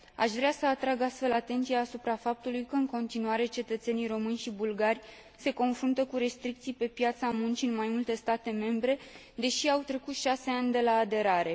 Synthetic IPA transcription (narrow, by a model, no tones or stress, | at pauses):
a̰ʃvɾeasəat̪ɾaɡast̪fe̞lat̪e̞nt̪sijaːsupɾafap̚t̪ulujkəɨŋko̞nt̪inuaɾe̞t͡ʃe̞t̪ət̪se̞nijɾo̞mɨnʲʃibulɡarʲ | se̞ko̞nfɾunt̪əkuɾe̞st̪ɾik̚t̪sijpe̞pjat̪samunt͡ʃiɨnmajmult̪e̞st̪at̪e̞me̞mbɾe̞ | d̪e̞ʃiawt̪ɾe̞kut̪ʃase̞anʲd̪e̞laːd̪e̞ɾaɾe̞